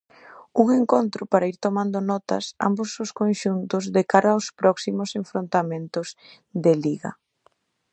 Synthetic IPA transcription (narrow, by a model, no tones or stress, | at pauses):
uŋeŋkont̪ɾʊpaɾaiɾt̪omãnd̪ʊnɔt̪ɐ̰sa̰mboszʊskonʃunt̪ʊzðekaɾɐospɾɔksimʊseɱfɾont̪amẽnt̪ʊz | d̪eliɣɐ̰